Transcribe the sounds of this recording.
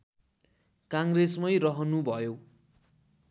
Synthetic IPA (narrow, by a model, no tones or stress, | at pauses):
kaŋresmʌjɾʌɦʌnubʱʌjo